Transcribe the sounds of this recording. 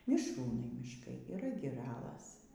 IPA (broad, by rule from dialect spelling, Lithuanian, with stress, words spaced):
mʲɪʃˈruːnɐɪ mʲɪʃˈkɐɪ iːˈrɐ ɡʲɪˈrɑːlˠɐs